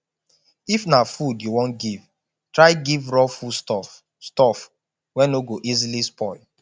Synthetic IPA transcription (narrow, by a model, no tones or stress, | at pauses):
ifnafudjuwɔ̃nɡiv | tɹaɪɡivɹɔfustɔ | stɔf | wɛ̃noɡoʔizilispɔɪl